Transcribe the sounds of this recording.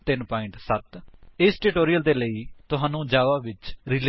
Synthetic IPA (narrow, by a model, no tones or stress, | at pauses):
t̪ɪnpaːɪɳʈsət̪ɪsʈɪʈoːɾijəld̪eːləiːt̪ʊɦãːnũːd͡ʒaːʋaːʋɪt͡ʃɾɪl